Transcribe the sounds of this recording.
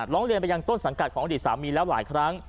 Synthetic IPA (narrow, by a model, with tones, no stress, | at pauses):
ɾɔː˦˥ŋɾi˧ənpa˧ja˧ŋt̪o˥˩nsa˩˦ŋka˨˩t̪̚ʰɔː˩˦ŋa˧˩diː˨˩saː˩˦miː˧lɛː˦˥wlaː˨˩˦jkʰɾa˦˥ŋ